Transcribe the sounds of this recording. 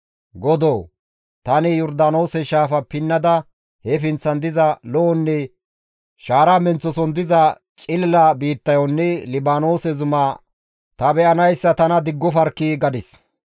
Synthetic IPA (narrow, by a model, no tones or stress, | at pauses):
ɡɔd̪oː | t̪ɐnɪjɔɾd̪ano̞ːsɛʃaːfɐpɪnːɐd̪ɐ | hɛfɪnt͡sːɐnd̪ɪzɐlɔɔnːɛ | ʃaːɾɐmɛnt͡sːɔsɔnd̪ɪzɐ | t͡ʃʼɪlːɐbiːt̪ːɐjɔnːɛlɪbaːnoːsɛzʊmɐ | t̪ɐbɛʔɐnɐjsːɐt̪ɐnɐd̪ɪɡːɔfɐɾkːiːɡɐd̪ɪs